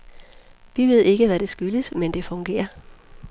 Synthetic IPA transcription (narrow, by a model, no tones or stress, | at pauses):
ʋiʋe̝ð̰ˠe̝ɡ̥əʋæɾ̥e̝sɡ̥yləsmend̥e̝fɔ̽ŋɡ̥e̝̰ːɐ